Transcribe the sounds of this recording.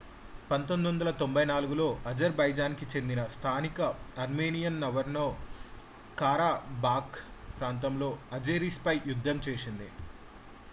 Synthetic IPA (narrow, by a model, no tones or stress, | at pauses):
pɐnt̪ond̪ond̪ɐlɐt̪o̞mbɐjnaːluɡulo̞ːʔɐd͡ʒɐɾbɐjd͡ʒaːnkit͡ʃe̞nd̪inɐst̪ʰaːnikɐɐɾmeːnijɐnːɐʋɐɾnoː | kaːɾaːbaːkpɾaːnt̪̬ɐmlo̞ːɐd͡ʒeːɾispɐjjud̪ʱːɐmt͡ʃeːsind̪i